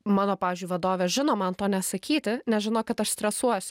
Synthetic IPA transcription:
mɑːnoːpɑːʋʲizʲd͡ʒʲʊɪʋɐd̪oːʋʲeːʒʲɪnoːmɐnt̪oːnʲɛsɐkʲiːt̪ʲɪnʲɛʒʲɪnoːkɐt̪ɐʃsʲt̪ʲɾʲɛsuɔsʲʊ

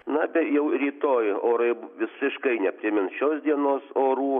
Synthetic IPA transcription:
nɐbʲɛtjɛʊɾʲiːt̪oːjoːɾɐɪʋʲɪsʲɪʃkɐɪnʲɛpʲɾʲɪmʲɪnsʃʲoːsd̪ʲiɛnoːsoːɾuː

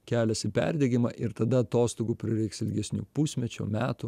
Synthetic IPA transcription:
kʲæːlʲɛsʲɪpʲɛ̰ɾʲd̪ʲɛɡʲɪmɐʔɪɾt̪ɐd̪ɐɐt̪oːst̪oːɡuːpʲɾʲɪɾʲɛɪksɪlʲɡʲɛsʲnʲṵːpusʲmʲɛt͡ʃʲo̰ːmʲæːt̪ʊ

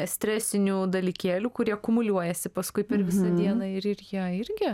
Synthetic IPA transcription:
sʲt̪ʲɾʲæːsʲɪnʲuːd̪ɐlʲiːkʲeːlʲuːkʊɾʲiɛkʊmʊlʲuɔjɛsʲɪpɐskʊɪpʲɛɾʋʲɪsɐd̪ʲiɛnɐɪɾɪɾjiɛɪɾʲɡʲɪ

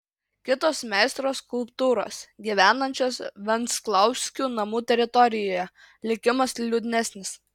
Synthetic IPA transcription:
kʲɪt̪oːsmʲɛˑɪst̪ɾoːskʊlˠpt̪uːɾo̰ːsɡʲiʋʲæːnɐnʲt͡ʃʲoːsʋʲɛnt̪sklˠɐʊsʲkʲuːnɐmuːt̪ʲɛɾʲɪt̪ɔɾʲɪjoːjɛ | lʲɪkʲɪmɐslʲud̪ʲɪnʲæsʲnʲɪs

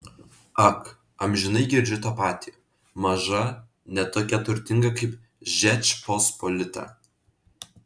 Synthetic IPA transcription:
ɐk | ɐmʲʒʲɪnɐɪɡʲɪɾʲd͡ʒʲʊt̪ɑːpɑːt̪ʲiː | mɐʒɐ | nʲɛt̪oːkʲɛt̪ʊɾʲt̪ʲɪŋɡɐkɐɪp | ʒʲɛt͡ʃʲpospolʲɪt̪ɐ̰

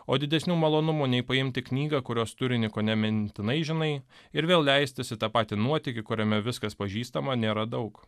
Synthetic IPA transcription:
oːd̪ʲɪd̪ʲɛsʲnʲuːmɐlˠoːnʊmuːnʲɛɪpɐɪmʲt̪ʲɪknʲiːɡɐkʊɾʲoːst̪ʊɾʲɪnʲɪkoːnʲɛmʲɛnʲt̪ʲɪnɐɪʒʲɪnɐɪ | ɪɾʋʲeːlˠlʲɛɪsʲt̪ʲɪsʲɪt̪ɑːpɑːt̪ʲɪnuɔt̪ʲɪkʲɪkʊɾʲɛmʲɛʋʲɪskɐspɐʒʲiːst̪ɐmɐnʲeːɾɐd̪ɐʊk

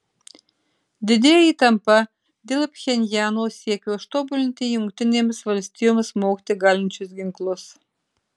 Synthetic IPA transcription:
d̪ʲɪd̪ʲeːjit̪ɐmpɐ | d̪ʲelʲˠpʲxʲenʲjɑːnosʲiɛkʲoːʃt̪obʊlʲɪnʲt̪ʲejʊŋkt̪ʲɪnʲeːmʲɪsʋɐlʲsʲt̪ʲɪjomɪsmoːkʲt̪ʲɪɡɑlʲɪnʲt͡ʃʲʊsɡʲɪŋklˠʊs

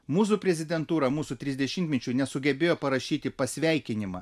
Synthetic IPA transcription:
muːs̬upʲɾʲɛzʲɪd̪ʲɛnt̪uːɾɐmuːsut̪ʲɾʲɪzʲd̪ʲɛʃʲɪnʲt̪ʲmʲɛt͡ʃʲunʲɛsʊɡʲɛbʲeːjoːpɐɾɐʃʲiːt̪ʲɪpɐsʲʋʲɛˑɪkʲɪnʲɪmɐ̰

